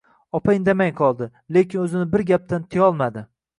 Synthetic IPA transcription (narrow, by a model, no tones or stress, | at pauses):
ɒpʰaɪnd̪amajqʰɒlˠd̪ɪ | le̞kʲɪnɵzɪnɪbɪɾɡʲap̚t̪ant̪ʰɪjɒlˠmad̪ɪ